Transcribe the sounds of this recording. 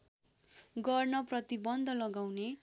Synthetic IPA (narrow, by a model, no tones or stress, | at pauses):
ɡʌrnʌprʌt̪ibʌnd̪ʱʌlʌɡawne